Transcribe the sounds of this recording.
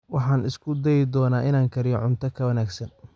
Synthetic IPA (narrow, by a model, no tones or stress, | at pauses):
wɑħɑːnɪskʰʊd̪ɛjɪd̪ɔːnaːʔɪnaːŋkʰɐɾɪjɔʕʊnt̪ʰɐkʰɐwɐnaːɡsɐn